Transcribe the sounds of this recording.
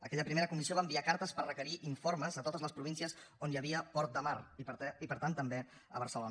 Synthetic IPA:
əkɛʎəpɾimeɾəkumisioβaəmbiakaɾt̪əspərrəkəɾiʔiɱfoɾməzət̪ot̪əzləspɾuinsiəzonjəβiəpɔɾt̪̚d̪əmaripəɾt̪ant̪əmbe | əβ̞əɾsəlon

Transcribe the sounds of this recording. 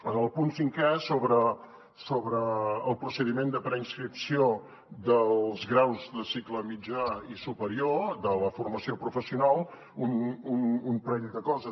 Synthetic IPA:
ənəlˠpunsiŋkɛsoβɾə | soβɾəːlˠpɾusəðimend̪əpɾəinskɾipsio | ðəllˠzɣɾawzðəsikləmid͡ʒaisupəɾiod̪ələfurməsiopɾufəsiunalˠ | unununpɾɛʎðəkɔzə

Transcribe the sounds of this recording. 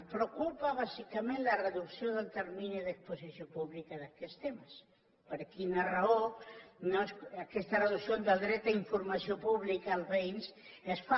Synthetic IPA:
pɾokupaβasikamẽnlareðuksjoðelt̪eɾmĩnoðeksposisjopuβlikaðakest̪emas | poɾakinaraonosakest̪areðusjond̪ald̪ɾet̪aiɱfoɾmasjopuβlikaːlβejnsesfa

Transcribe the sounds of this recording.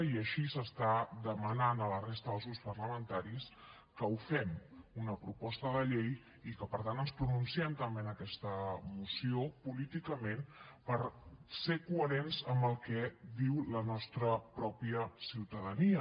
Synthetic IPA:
iəʃisəst̪ad̪əmənanələrest̪əðəlˠzuspərləmənt̪aɾis | kəufɛmunəpɾupɔst̪əðəʎej | ikəpəɾt̪anənspɾununsiɛmt̪əmbenəkɛst̪əmusiopulit̪ikəmenpəɾsekuəɾenzəmbəlˠkɛðiwlənɔst̪ɾəpɾɔpiəsiwt̪əðəniə

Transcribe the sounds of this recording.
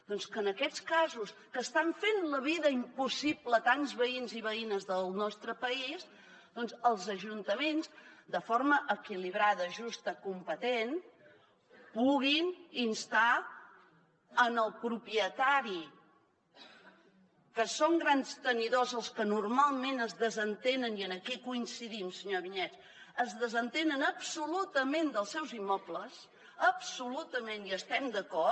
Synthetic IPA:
d̪̥ɔnskəːnəkɛt͡skazuskəst̪aɱfenləβ̞iðəimpusiplət̪anzβəinziβ̞əinəzðəlˠnɔst̪ɾəpəiz | d̪ɔnzəlˠzəʒunt̪əmenzd̪əfoɾməʔəkiliβ̞ɾaðəʒust̪əkumpət̪en | puɣininst̪a | ənəlˠpɾupiət̪aɾi | kəsoŋɡɾanst̪əniðozəlˠskənurmalˠmenəzðəzənt̪enəniənəkikuinsiðimsəɲoβiɲɛt̪ | əzðəzənt̪enənəpsulut̪əmend̪əlˠsɛwzimːɔpləs | əpsulut̪əmeniəst̪ɛmd̪əkɔ

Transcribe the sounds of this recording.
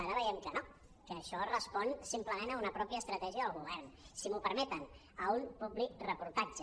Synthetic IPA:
aɾəβəjɛmkəno | kəːʃɔrəspɔnsimpləmenəunəpɾɔpiəːst̪ɾət̪ɛʒiəðəlˠɣuβ̞ɛrnsimupəɾmɛt̪ən | əunpublik̚rəpuɾt̪ad͡ʒə

